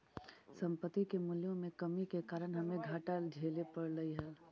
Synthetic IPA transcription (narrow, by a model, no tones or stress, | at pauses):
sə̃mpət̪ːikemuljõmẽkəmikekaːɾəñɦəmẽɡʱaːʈəld͡ʒʱeːlepəɾləiɦəl